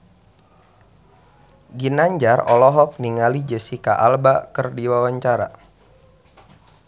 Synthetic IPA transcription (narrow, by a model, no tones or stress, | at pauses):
ɡinaɲd͡ʒarɔlɔɦɔk̚niŋalid͡ʒəsika̰ʔalbakərdiwawaɲt͡ʃaɾa